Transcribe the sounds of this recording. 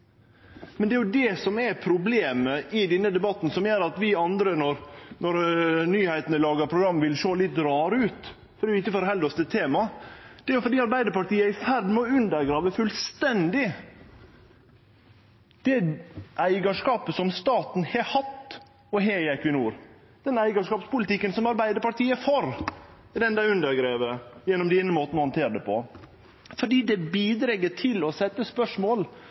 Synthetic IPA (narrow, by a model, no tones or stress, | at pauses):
mɛnd̪ɛæɾjʊd̪ɛsɔmæpʰɾʊbleːməʔɪd̪ɛnːəd̪ɛbɑt̪ːn̩sɔmjøɾɑt̪ʋɪɑnd̪ɾənɔɾnɔɾnyːhæɪt̪nəlɑːɡəɾpʰɾʊɡɾɑmːʋɪlʂoːlɪt̪ːɾɑːɾəʉːt̪ | fɔɾɛʊɪçəfɔɾɔɦɛld̪ɔsd̪ɛt̪ʰːeːmɑd̪̥ɛæɾjʊfɔɾɖiːɑɾbæɪd̪əɾpɑʈiːəæfæɾɖ̪mɛɔʉnd̪əɾɡɾɑːʋəfʉlst̪ɛnd̪ɪ | d̪̥ɛʔæɪɡɑʂkɑːpəsɔmst̪ɑːt̪n̩hɛhɑt̪ː | ɔɦeːɪɛkʉnuːɾ | d̪̥ɛnæɪɡɑʂkɑːpspʊlɪt̪ɪkːənsɔmɑɾbæɪd̪əɾpɑʈiːəfɔɾ | d̪ɛnd̪ɑʉnd̪əɾɡɾeːʋəjɛnːɔmd̪iːnəmoːt̪n̩ɔhɑnt̪ʰeːɾəd̪ɛpʰɔ̰ | fɔɖiːd̪ɛbiːd̪ɾɛɡːəʈʰɪlɔsɛt̪ːəspœʂmoːl